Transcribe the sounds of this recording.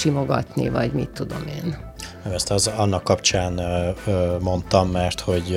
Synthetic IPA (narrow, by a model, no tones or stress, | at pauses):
imo̞ɡɒt̪nḭvɒɟmit̪ːud̪o̞̰meːnnɛmɛst̪ɒzɒnːɒkːɒpt͡ʃaːn | mo̞nt̪ɒmːɛrt̪ho̞ɟ